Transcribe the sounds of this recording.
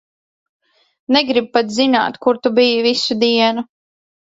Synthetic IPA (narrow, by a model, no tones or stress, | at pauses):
neɡɾib̚pat̪zina̰ːt̪kuɾt̪ubijivisud̪iɛnu